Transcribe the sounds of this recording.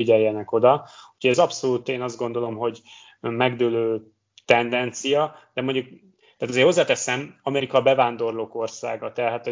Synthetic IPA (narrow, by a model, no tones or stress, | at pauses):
iɟɛjːɛnɛko̞d̪ɒu̥cʰoɟɛzɒpso̞luːt̪eːnɒzd̪ɡo̞nd̪o̞lo̞mɦo̞ɟ | mɛɡd̪øːløː | t̪ɛnd̪ɛnt̪sijɒd̪̥ɛmo̞ɲɟuk̚ | t̪aːt̪ɒzeːrho̞zːaːt̪ɛsɛmɒmɛɾikɒbɛvaːnd̪o̞rloːko̞rsa̰ːɡɒt̪ɛɦaːt̪